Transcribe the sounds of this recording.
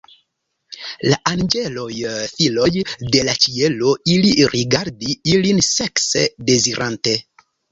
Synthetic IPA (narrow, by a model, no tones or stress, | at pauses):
laʔand͡ʒe̞lo̞jfilo̞jde̞lat͡ʃie̞lo̞iliɾʔiɡaɾdiilinse̞ksede̞ziɾʔante̞